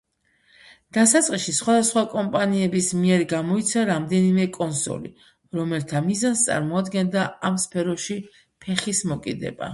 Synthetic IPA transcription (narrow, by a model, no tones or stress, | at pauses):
d̪̥asat̪sʼqʼiʃisχwad̪asχwakʼɔmpʼaniɛbismiɛɾɡamɔit̪sʰaɾamd̪ɛnimɛkʼɔnsɔ̰lḭ | ɾɔmɛlt̪ʰamizanst̪sʼa̰ɾmɔad̪ɡɛnd̪aamspʰɛɾɔʃi | pʰɛχismɔkʼid̪ɛ̰ba̰